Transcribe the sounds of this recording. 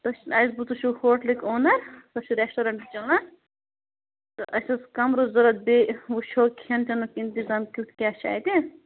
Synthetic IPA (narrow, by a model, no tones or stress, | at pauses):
t̪ɐʃɐjsbut̪uʃuhoːʈlikoːnɐɾt̪ɐʃuɾesʈɐɾɐɳʈt͡ʃɐnɐ | t̪ɐʔɐsɐskɐmɾozɐɾɐt̪̚beuʃʰoːkʰiɐnt͡ʃɐnukint̪izaːmkʲuʈ̪kʲaːʃa̰ːt̪i